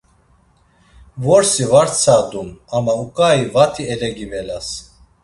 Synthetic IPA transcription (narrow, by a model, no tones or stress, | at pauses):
vɔɾsivaɾt͡sʰad̪umamaukʼaivat̪ʰiɛlɛɡivɛlas